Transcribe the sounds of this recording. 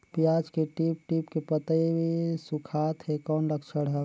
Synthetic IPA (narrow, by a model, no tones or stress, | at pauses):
pjaːd͡ʒkeʈip̚ʈiːpkepət̪aibʱisukʰaːt̪ɦekɔːnɾəkʰt͡ʃʰəɽɦɛ